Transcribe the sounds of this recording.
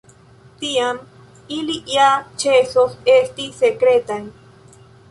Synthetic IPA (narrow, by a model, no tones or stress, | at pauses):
t̪iam | iliʔjat͡ʃesosest̪isekɾet̪aj